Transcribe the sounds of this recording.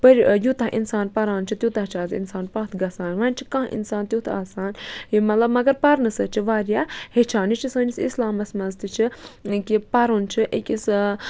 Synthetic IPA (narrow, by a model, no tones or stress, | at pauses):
pɐɾʲjut̪ɐɦʔinsaːnpɐɾaːnt͡ʃʰit̪ʲjut̪ɐɦt͡ʃʰaːzḭnsaːnpɐɦt̪ʰɡɐsaːnʋaːnʲt͡ʃʰikɐ̃ɦḭnsaːnt̪jut̪ʰaːsaːnjimɐt̪lɐbmɐɡɐɾpɐɾnɨsɐt͡ʃʰiʋaːɾʲjaːhet͡ʃʰaːnit͡ʃʰisɐːnisḭslaːmɐsmɐzt̪ɨt͡ʃʰikipɐɾont͡ʃʰiʔekʲis